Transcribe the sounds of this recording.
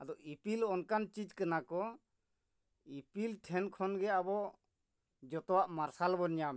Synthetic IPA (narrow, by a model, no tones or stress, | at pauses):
ad̪ɔʔipilɔnkant͡ʃid͡ʒkanakɔ | ipilʈʰɛnkʰɔnɡɛabɔ | d͡ʒɔt̪ɔwaʔmaɾsalbɔnɲamɛ